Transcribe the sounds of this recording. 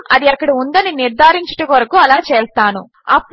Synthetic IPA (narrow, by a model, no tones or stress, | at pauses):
mɐd̪iɐkːɐɽiund̪ɐniniɾd̪ʱaːɾiɲt͡ʃɐ̥ʈɐkʋɐɾɐkuɐlaːt͡ʃɛːst̪aːnu | ɐpː